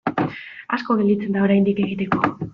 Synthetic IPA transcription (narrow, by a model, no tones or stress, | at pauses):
asko̞ːnelit͡se̞nd̪ao̞ɾajnd̪ike̞ɣ̞it̪e̞ko̞